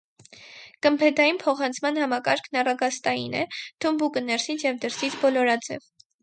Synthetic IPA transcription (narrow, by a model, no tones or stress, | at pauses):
kəmpʰɛd̪ɑjinpʰɔχɑnt͡sʰmɑnhɑmɑkɑɾkʰnɑrɑɡɑst̪ɑjḭnɛ̰t̪ʰumbukənɛɾsit͡sʰjɛvd̪əɾsit͡sʰbɔlɔɾɑd͡zɛ̰v